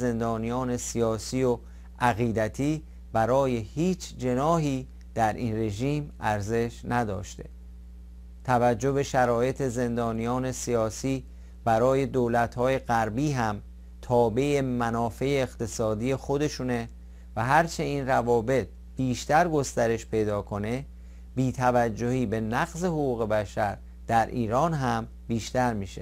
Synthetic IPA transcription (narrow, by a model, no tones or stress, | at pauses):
ze̞nd̪ɒːnijɒːne̞sijɒːsiːo | ʔæɣiːd̪æt̪ʰiː | bæɾɒːje̞hiːt͡ʃʰd͡ʒe̞nɒːɦiː | d̪̥æɾʔḭːnre̞ʒiːmæɾze̞ʃnæd̪ɒ̰ːʃt̪e̞̰ | t̪ʰævæd͡ʒːo̞be̞ʃæɾɒːje̞t̪ʰe̞ze̞nd̪ɒːnijɒːne̞sijɒːsiː | b̥æɾɒːje̞d̪oːlæt̪hɒːje̞ɣæɾbiːɦæm | t̪ʰɒːbejemænɒːfe̞eːqt̪ʰe̞sɒːd̪iːje̞xo̞d̪e̞ʃune̞ | væɦæɾt͡ʃʰe̞iːnrævɒːbe̞t̪̚ | b̥iːʃt̪æɾɡo̞st̪æɾe̞ʃpʰe̞jd̪ɒːkʰo̞ne̞ | biːt̪ʰævæd͡ʒːo̞hiːbe̞næɣze̞hoɣuːɣe̞bæʃæɾ | d̪̥æɾʔiːɾɒːnɦæm | biːʃt̪æɾmiːʃe